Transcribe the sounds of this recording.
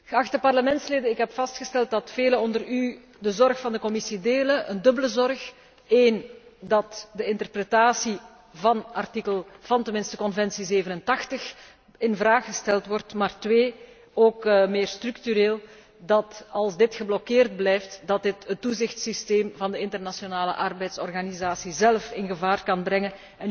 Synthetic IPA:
ɣəɑxtəpɑrləmɛntsleːdəɪkɦɛpfɑstxəstɛlˠt̚dɑtfeːləɔndəry | dəzɔrxfɑndəkɔmɪsideːləʔəndɵbələzɔrx | eːndɑtdəɪntərprətaːsi | vɑnɑrtikəlˠv̥ɑntənmɪnstəkɔnvɛnsizeːvənəntɑxtəx | ɪnvraːxəstɛlˠtʋɔrtmaːrtʋeː | oːkmeːrstryktyɾeːlˠ | dɑtɑlˠzdɪtxəblɔkeːrd̚blɛjftdɑt̚dɪtətːuzɪxtsisteːmvɑndəɪntərnasjonaːlə̰ʔɑrbɛjtsɔrɣanizaːsizɛlˠfɪnɣəvaːrkɑnbrɛŋən | ɛn

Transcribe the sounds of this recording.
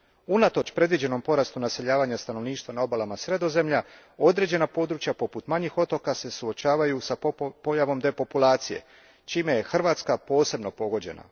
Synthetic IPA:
unat̪o̞t͡ʃpɾe̞d̪ʋid͡ʑe̞no̞mpo̞ɾast̪unase̞ʎaːʋaːɲast̪ano̞ʋniːʃt̪ʋanao̞balamasɾe̞d̪o̞ze̞mʎa | o̞d̪ɾe̞d͡ʑe̞napo̞d̪ɾut͡ʃjapo̞put̪maɲixo̞t̪o̞kase̞suo̞t͡ʃaːʋajusapo̞jaʋo̞md̪e̞po̞pulˠaːt̪sije̞̰ | t͡ʃiːme̞je̞xr̩ʋaːt̪skapo̞ːse̞bno̞po̞ɡo̞d͡ʑe̞̰na̰

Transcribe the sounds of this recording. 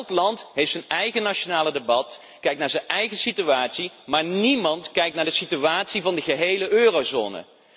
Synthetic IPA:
lˠklɑntɦejftsənɛjχənaʃonaːlədebɑt | kɛjk̚naːɹzɛnɛjχəsityʋaːtsimaːɹnimɑntkɛjktnaːɹdəsityaːtsivɑndəɣəɦejləʔøːrozo̰ːnə̰

